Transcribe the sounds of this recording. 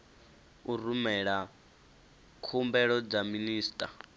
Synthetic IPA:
urumɛɺa | kʰumbɛɺɔd͡zaminiːstʼa

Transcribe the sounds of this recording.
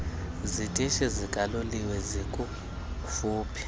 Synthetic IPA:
zitʼiʃɛzikʼaloliwɛzikʼu | fuːpʰi̥

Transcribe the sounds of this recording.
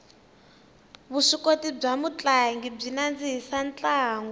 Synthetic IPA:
βuʂikotib͡ʐamut͡ɬʼaŋɡib͡ʐinand͡ziɦisant͡ɬʼaːŋɡu

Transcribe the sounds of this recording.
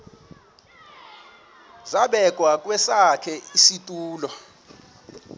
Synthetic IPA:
zaɓɛk̬ʼwak̬ʼwɛsakʰɛisitʼuːlɔ

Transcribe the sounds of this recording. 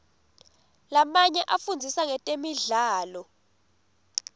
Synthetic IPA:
lamaɲɛʔafund͡zʱisaŋɛtʼemiɮaːlɔ

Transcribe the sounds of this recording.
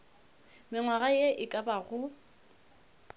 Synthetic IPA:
mɪŋwaɣajeʔɪkʼabaɣʊ

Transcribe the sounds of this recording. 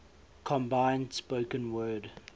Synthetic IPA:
kʰɔ̃mbãɪ̃ndspoʊkə̃nwɜːd

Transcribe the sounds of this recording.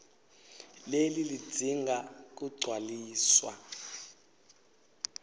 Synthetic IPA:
lelili̥d͡z̥ʱiŋɡʱak̬uɡ͡ǀʱwaliːswa̰

